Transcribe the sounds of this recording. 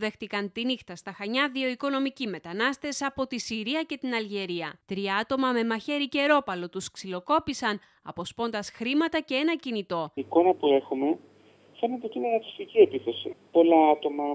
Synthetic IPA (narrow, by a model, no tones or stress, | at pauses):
ðe̞xt̪ikɐnt̪inixt̪ɐst̪ɐxɐɲɐðio̞iko̞no̞micime̞t̪ɐnɐst̪e̞sɐpo̞t̪isiɾiɐce̞t̪inɐlʝe̞ɾiɐt̪ɾiɐɐt̪o̞mɐme̞mɐçe̞ɾice̞ɾo̞pɐlo̞t̪usksilo̞ko̞pisɐn | ɐ̰po̞spo̞nd̪ɐsxɾimɐt̪ɐce̞e̞nɐcinit̪o̞iko̞nɐpue̞xume̞ | fe̞net̪eot̪inenɐt̪oficie̞piθo̞sipo̞lɐɐt̪o̞mɐ